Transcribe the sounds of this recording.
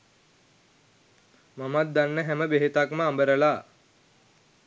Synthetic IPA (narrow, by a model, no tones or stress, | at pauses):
mamat̪̚d̪anːəɦæməbeɦet̪akməambəɾəlaː